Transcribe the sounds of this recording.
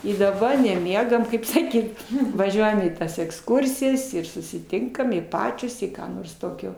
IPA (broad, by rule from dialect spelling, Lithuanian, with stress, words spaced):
ɪ dɐˈbɐ nʲɛˈmʲiɛɡɐm ˈkɐɪp sɐˈkʲiːt ʋɐˈʒʲuɔjɛm iː ˈtɐs ɛksˈkʊrʲsʲɪjɛs ɪr sʊsʲɪˈtʲɪŋkɐm ɪ ˈpɑːt͡ʃʲoːs ɪ ˈkɑː noːrs ˈtoːkʲoː